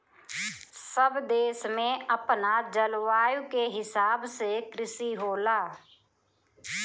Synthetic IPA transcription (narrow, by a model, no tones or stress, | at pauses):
səbd̪eːʃmẽəpnad͡ʒəlʋaːjukeɦɪsaːbsekɾɪsiɦoːlaː